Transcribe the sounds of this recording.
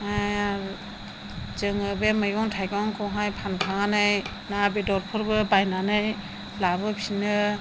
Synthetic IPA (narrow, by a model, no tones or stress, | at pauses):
aja | d͡ʒɯŋɯbemɯjɔŋtʰajɡɔŋkʰɔɦajpʰankʰaŋanɯj | nabedɔɾpʰɔɾbɯbajnanɯj | labɯpʰinɯ